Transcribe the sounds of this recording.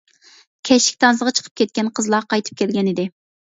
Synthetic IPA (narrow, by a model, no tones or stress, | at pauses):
kʲʰɛʃɪ̥kʲt̪ʰɑnzəʁɑt͡ʃʰə̥qʰə̥p̚kʲʰɛt̪̚kʲɛnqʰəzlˠɑqɑjt̪ʰɨ̥p̚kʲʰɛlɡʲɛnɪd̪ɪ